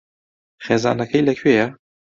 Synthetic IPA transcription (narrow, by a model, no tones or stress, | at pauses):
χeːzɑ̰ːnɐkʰɐjlɐkʰweːja